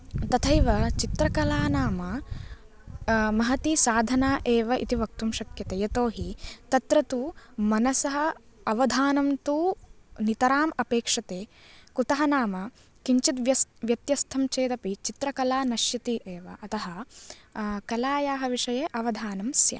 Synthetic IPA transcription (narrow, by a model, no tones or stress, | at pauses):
t̪ɐt̪ʰɐjʋɐt͡ʃit̪ɾɐkɐlaːnaːmɐ | mɐɦɐt̪isaːd̪ʱɐnaːʔeːʋɐʔit̪iʋɐk̚t̪umʃɐkjɐt̪eːjɐt̪oːɦit̪ɐt̪ɾɐt̪umɐnɐsɐɦɐɐʋɐd̪ʱaːnɐmt̪uːnit̪ɐɾaːmɐpeːkʂɐt̪eː | kut̪ɐɦɐnaːmɐ | kiɲt͡ʃit̪ʋjɐsʋjɐt̪jɐst̪ʰɐmt͡ʃeːd̪ɐpit͡ʃit̪ɾɐkɐlaːnɐʃjɐt̪iʔeːʋɐʔɐt̪ɐɦɐ | kɐlaːjaːɦɐʋiʂɐjeːʔɐʋɐd̪ʱaːnɐmsjɐ̰